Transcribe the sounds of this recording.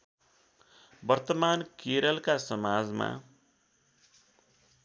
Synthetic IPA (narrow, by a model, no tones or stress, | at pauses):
bʌrt̪ʌmankeɾʌlkasʌmad͡zma̰